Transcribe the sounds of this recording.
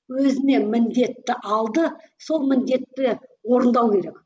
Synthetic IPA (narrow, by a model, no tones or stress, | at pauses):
wɵzɪne̞mɪnd̪e̞t̪ːɪʔɑlˠd̪ə | so̞lˠmɪnd̪e̞t̪ːɪwo̞ɾənd̪ɑwkʲʰe̞ɾe̞k